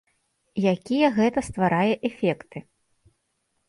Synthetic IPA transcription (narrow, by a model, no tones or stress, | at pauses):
jakʲijɛɣɛt̪ɐst̪vaɾajɛʔɛfʲɛkt̪ɨ